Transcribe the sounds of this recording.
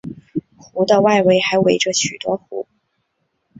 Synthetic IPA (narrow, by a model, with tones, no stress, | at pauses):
xu˧˥d̪ə˧wa˥˩ɪwe˥˩ɪxa˧˥ɪwe˧˥ɪʈ͡ʂə˧ɕy˨˩t̪wɔ˥xṵ˧˥